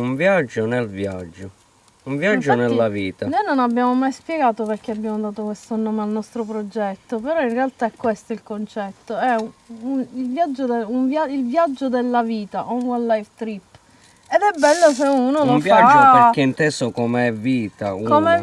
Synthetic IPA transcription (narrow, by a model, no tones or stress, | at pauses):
uɱvjad͡ʒːonelvja̰d͡ʒːo | uɱvjad͡ʒːonelːaviːt̪anojnonabːjaːmomajspjɛɡaːt̪operk̟eabjaːmod̪aːt̪okwest̪onoːmealnɔst̪ɾopɾod͡ʒɛt̪ːopeɾɔinrealt̪aɛkːwest̪oilkont͡ʃɛt̪ːoɛunilvjad͡ʒːod̪euɱvjailvjad͡ʒːod̪elːaviːt̪aʔonwalːajvt̪ɾipː | ed̪ɛbːɛlːos̬eunolovjaad͡ʒpe̟eint̪ɛsokomeɛvːiːt̪a̰ukome